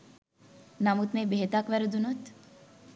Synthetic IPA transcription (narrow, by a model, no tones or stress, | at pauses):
namut̪mebeɦet̪akʋæɾud̪unut̪